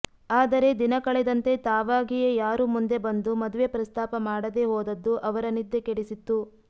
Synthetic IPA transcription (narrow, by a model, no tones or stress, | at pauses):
aːd̪ɐɾe̞d̪inɐkɐɭɛd̪ɐnt̪e̞t̪aːʋaːɡijejaːɾumund̪e̞bɐnd̪umɐd̪uʋe̞pɾɐst̪ʰaːpɐmaːɽɐd̪e̞ɦoːd̪ɐd̪ːuʔɐʋɐɾɐnid̪ːe̞keɽisit̪ːu